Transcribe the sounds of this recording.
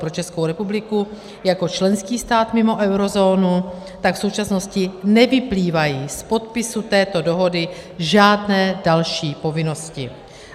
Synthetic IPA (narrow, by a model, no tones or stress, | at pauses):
pɾo̞t͡ʃɛskowɾɛpublɪku | jako̞t͡ʃlɛnskiːst̪aːt̪mɪmo̞ʔɛwɾo̞zo̞ːnu | t̪akfsowt͡ʃasno̞scɪnɛvɪpliːvajiːspo̞t̪̚pɪsut̪ɛːt̪o̞do̞ɦo̞dɪʒaːdnɛːdalʃiːpo̞vɪno̞scɪ